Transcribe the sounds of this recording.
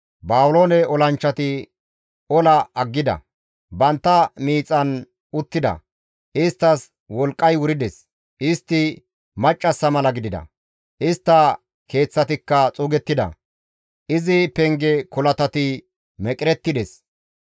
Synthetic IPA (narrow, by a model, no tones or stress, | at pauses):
baːwʊloːnɛɔlɐnt͡ʃːɐt̪ɪ | ɔlɐɐɡːɪd̪ɐ̰ | bɐnt̪ːɐmiːt͡sʼːɐn | ʊt̪ːɪd̪ɐ̰ | ʔɪst̪ːɐs | wɔlkʼːɐjwʊɾɪd̪ɛs | ʔɪst̪ːɪ | mɐt͡ʃʼːɐsːɐmɐlɐɡɪd̪ɪd̪ɐ̰ | ʔɪst̪ːɐ | kʰe̞ːt͡sːɐt̪ɪkːɐt͡sʼʊːɡɛt̪ːɪd̪ɐ̰ | ʔɪzɪpɛŋɡɛkɔlɐt̪ɐt̪ɪ | mɛkʼɪɾɛt̪ːɪd̪ɛs